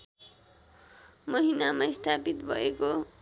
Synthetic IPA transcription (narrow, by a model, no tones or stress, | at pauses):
mʌɦinamast̪ʰapit̪bʱʌeko